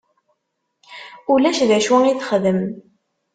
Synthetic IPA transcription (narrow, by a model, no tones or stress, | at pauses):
ulæʃðæʃwæiθχðəm